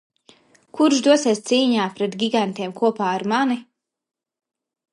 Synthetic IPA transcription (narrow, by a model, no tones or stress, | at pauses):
kuɾʃd̪uɔsiɛːst̪siːɲaːpɾɛt̪ɡʲiɡant̪iɛmkuɔpaːaɾmani